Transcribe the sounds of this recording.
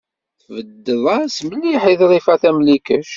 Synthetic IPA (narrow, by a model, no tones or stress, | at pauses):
θvəd̪ːəðˤɑsməlːiħiðˤðˤifæθæmlikəʃ